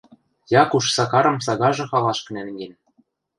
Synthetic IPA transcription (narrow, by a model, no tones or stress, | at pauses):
jɑkuʃsɑkɑɾɤ̆ms̬ɑɣɑʒɤ̆xɑlɑʃkɤ̆nænɡen